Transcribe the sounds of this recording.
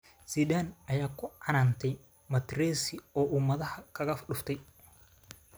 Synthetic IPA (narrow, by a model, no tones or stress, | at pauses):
siːd̪aːnɐjaːkʰʊʕɑnaːnt̪ʰɛj | mɐt̪rɛːsɪɔːʔʊmɐðɐhɐkʰɐɣɐfɖʊft̪ʰɛj